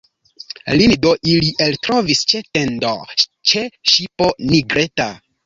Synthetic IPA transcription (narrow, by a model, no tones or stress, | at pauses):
lindoʔiliʔeltɾo̞vist͡ʃetendo̰t͡ʃeʃiponiɡɾeta